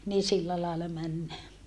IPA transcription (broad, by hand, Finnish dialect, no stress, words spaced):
niː silːæ lɑelːɑ mænːæː